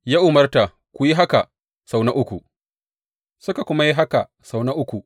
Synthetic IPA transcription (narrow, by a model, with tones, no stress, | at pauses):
jaː˦ʔʊ˨mɐ˦rta˨ | kʷu˨ji˦ɦa˦ka˨ | sa˨wna˦ʔʊ˦kʷu˨ʔ | sʊ˦ka˨kʷʊ˦ma˦ji˦ɦa˦ka˨ | sa˨wna˦ʔʊ˦kʷu˨